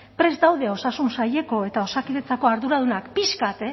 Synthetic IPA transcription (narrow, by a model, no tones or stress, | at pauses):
pɾe̞zd̪awðe̞o̞sasunsaje̞ko̞e̞t̪ao̞sakiðe̞t͡sako̞aɾðuɾaðunakpiskat̪e